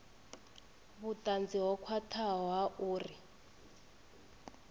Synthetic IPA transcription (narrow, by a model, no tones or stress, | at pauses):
βutʼand͡ziɦɔkʰwatʰaɔɦaʔuːri